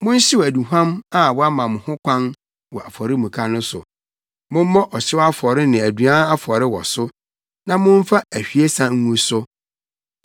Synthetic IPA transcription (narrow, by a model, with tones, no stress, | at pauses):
mʊ̃˦n̩˦ɕɪ˦wæ˨dũ˨ɦã˦ma˦˨wɔ˦a˦mã˨mʊ̃˨hʊ̃˦kʷʰã˦n | wɔ˨ʔa˨fɔ˨ɾɪ˦mũ˨kʰa˨nʊ̃˦sʊ̰˨ | mʊ̃˦m˦mɔ̃˦ʔɔ˨ɕɪ˦wa˦fɔ˨ɾɪ˦nɪ̃˨æ˨dɥã˦a˦fɔ˨ɾɪ˦wɔ˨sʊ˦ | nã˨mʊ̃˦ɱ˦fa˦æ˨hᶣi˨e˦sã˦ŋ̩˦ŋũ˦sʊ˦